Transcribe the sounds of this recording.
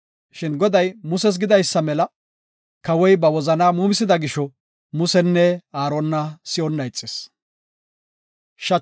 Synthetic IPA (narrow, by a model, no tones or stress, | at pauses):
ʃɪnɡɔd̪ɐjmʊsɛs̬ɡɪd̪ɐjsːɐmɛlɐ | kɐwɔjbɐwɔzɐnaːmuːmɪsɪd̪ɐɡɪʃɔ | mʊsɛnːɛaːɾɔnːɐsɪɔnːɐjt͡sʼːɪ̥s | ʃɐ